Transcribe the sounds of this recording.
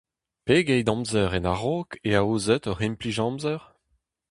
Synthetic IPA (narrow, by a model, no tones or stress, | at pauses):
peɡɛjdɑ̃mzœʁɛnaʁokeaoːzɛt̪ɔʁimpliʒɑ̃mzœʁ